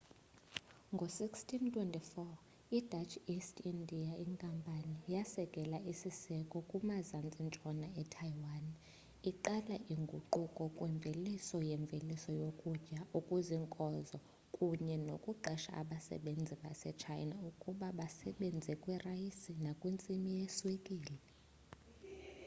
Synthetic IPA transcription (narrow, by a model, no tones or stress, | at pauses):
ŋɡʱosikstʰʼintʰwɛntʼifɔ | idʱat͡ʃʰistʰindʱiaiŋkʼampʼanijasɛkʼɛlaʔisisɛkʼɔkʼumazant͡sʼint͡ʃʼɔnaɛtʰajwan | iǃalaʔiŋɡʱuǃukʼɔkʼwɛɱb̪vʱelisɔjɛɱb̪vʱelisɔjokʼud͡ʒʼaukʼuziŋkʼɔzɔ | kʼuɲɛnokʼuǃʱɛʃa̰ʔa̰ɓasɛ̰ɓend͡zʱiɓa̰sɛ̰t͡ʃʰa̰jnaukʼuɓaɓasɛɓend͡zʱɛkʼwirajisinakʼwint͡sʼimijɛswekʼiːlɛ